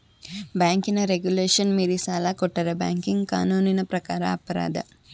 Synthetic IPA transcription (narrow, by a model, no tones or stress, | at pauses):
baːŋkinɐɾeɡjuleːʂɐnmiɾisaːlaːkɔʈːɐɾɐba̰ːŋkiŋɡka̰ːnuːninɐpɾɐkaːɾɐɐpɐɾa̰ːd̪ɐ̰